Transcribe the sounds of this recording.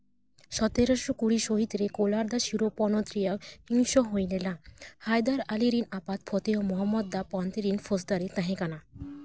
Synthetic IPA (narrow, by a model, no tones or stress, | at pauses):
ʃɔt̪eɾoʃokuɽiʃoɦit̪ɾekolaɾd̪aʃiɾopɔnot̪ɾijahiŋʃoɦojlelahajd̪aɾaliɾinapat̪̚pʰɔt̪eomɔɦɔmːɔd̪̚ːapɔnt̪eɾinfosd̪aɾet̪ãɦẽkana